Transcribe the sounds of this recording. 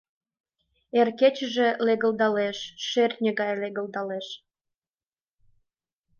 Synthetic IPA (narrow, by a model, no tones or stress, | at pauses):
erket͡ɕəʒĕleɣə̆lˠd̪ɑleʃʃerʲnʲəɣɑjleɣə̆ld̪ɑleʃ